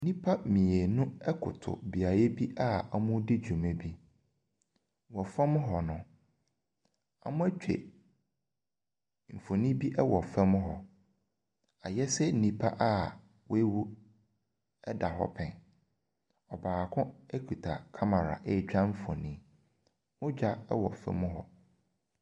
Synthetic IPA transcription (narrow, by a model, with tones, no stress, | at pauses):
nĩ˦pʰa˦mĩ˨e˨nʊ̃˦ɛ˦kʰʊ̰˨tʰʊ̰˨bi˨a˨ɾɛ˦bi˦ʔa˦a˦mʊ̃˦dɪ˦d͡ʑᶣu˨mɛ̃˦bi˦ | wɔ˨fɛ˦mʊ̃˦ɦɔ˨nʊ̃˨ | a̰˨mʊ̃˦æ˦t͡ɕᶣḛ˨ | m̩˨fo˨nĩ˦bi˦ʔɛ˦wɔ˨fɛ˦mʊ̃˦ɦɔ˨ | a˨jɛ˦sɛ˦n̩˨nĩ˨pʰa̰˦ʔa˦˨ | wʔe˦wu˦ | ɛ˦da˨ɦɔ̰˦pʰɛ̃˨n | ɔ˨baː˨kʰʊ̃˦ɛ˦kʰu˨tʰa̰˨kʰa˦ma˨ɾa̰˨ʔe˦˨t͡ɕᶣa˦m̩˦fɔ̰̃˨nĩ˦ | mʊ̃˦d͡ʑᶣa˦ɛ̰˦wɔ̰˨fɛ̰˦mʊ̃˦ɦɔ˨